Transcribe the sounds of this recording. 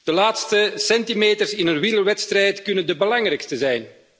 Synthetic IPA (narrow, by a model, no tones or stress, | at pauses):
d̥əlaːtstəsɛntimeːtərsɪnənwɪləwɛtst̪rɛjtkɵnəndəbəlɑŋrɛjkstəzɛjn